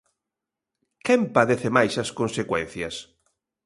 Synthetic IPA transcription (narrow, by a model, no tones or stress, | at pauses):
kɛmpaðeθemajsɐskonsekwɛn̟θjɐs